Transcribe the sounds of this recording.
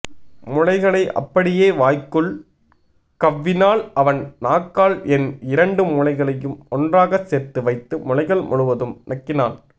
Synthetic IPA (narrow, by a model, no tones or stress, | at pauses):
mʊɻɐɪɣɐɭɐɪʔɐ̰pːɐɽɪjeːʋaːjkɯɭ | kɐʋːɪnaːlɐʋɐnnaːkːaːɭɛnɪɾɐɳɖɯmʊɻɐɪɣɐɭɐjɯmɔndraːɣɐseːrt̪ːɯʋɐɪt̪ːɯmʊlɐɪɣɐɭmʔʊɻɯʋɐðɯmnɐkːɪnaːl